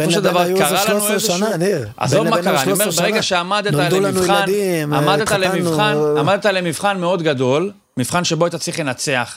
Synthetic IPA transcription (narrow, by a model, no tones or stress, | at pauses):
foʃeld̪avaʁkaʁalanuezani | ʔa̰zovmakaʁaaniomebeeɡaʃeamad̪eaaleinandimamad̪et̪alemivχanamad̪et̪alemivχanmeo̞d̪ɡad̪o̞l | mivχanʃeboajt̪at͡sʁiχlenat͡se̞aχ